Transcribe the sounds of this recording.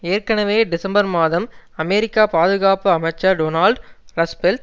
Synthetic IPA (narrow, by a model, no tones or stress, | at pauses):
eːɾkɐɳɐʋeːɖɪsɐmbɐɾmaːðɐmɐmeɾɪkːaːpaːðɯɣaːpɯɐmɐt͡ʃːaɖoːnaːlɖɾɐspɛlʈ